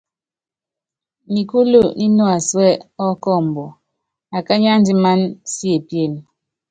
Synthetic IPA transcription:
mi˨ku˦lo˦˨ni˦no˦a˨swɛ˦ɔ˦kɔ˦˨m̩˨bɔ˨ | a˨ka˦ɲa˦n˦di˦ma˦nsje˨pje˦˨n˨

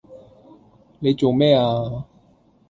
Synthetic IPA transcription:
ne˨˧jt͡so˨˩wmɛː˥˩aː˧

